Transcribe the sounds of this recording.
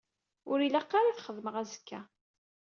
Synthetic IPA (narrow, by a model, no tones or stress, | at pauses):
ʊɾilæqːaɾaθχəðməʁæzə̥kːæ